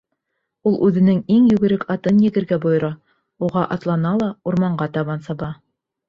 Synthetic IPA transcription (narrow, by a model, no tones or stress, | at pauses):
ulˠʔʉðɘ̆nɘŋiŋjɵ̆ɡɘ̆ɾɘkʰɑt̪ɤnjɘ̆ɡɘ̆ɾɡæbŏjŏɾɑ | uʁɑʔɑt̪lˠɑnɑlˠɑuɾmɑɴɢɑt̪ɑβɑnsɑβɑ